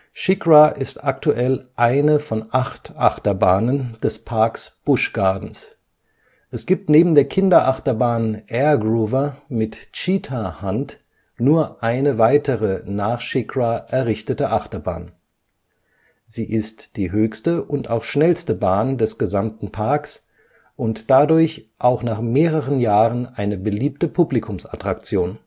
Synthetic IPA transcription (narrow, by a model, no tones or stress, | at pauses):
ʃɪkʁaʔɪstak̚tuʔɛlʔaɪnəfɔnʔaχtʔaχtɐbaːnənd̥ɛspʰaɐksb̥ʊʃɡ̥aɐdn̩s | ʔɛsɡ̥iːp̚tneːbm̩deːɐkʰɪndɐʔaχtɐbaːnʔɛːɐɡʁuːvɐmɪtt͡ʃiːtʰahant | nuːɐʔaɪnəvaɪtəʁənaːχʃɪkʁaʔɛɐʁɪçtətəʔaχtɐba̰ːn | ziːʔɪstd̥iːɦøːçstəʔʊntaʊxʃnɛlstəbaːndɛsɡ̥əzamtn̩pʰaɐks | ʔʊntd̥adʊɐçʔaʊxnaːχmeːʁəʁənjaːʁənʔaɪnəbəliːp̚təpʰublikʰʊmsa̰tʁ̥ak̚t͡sjoːn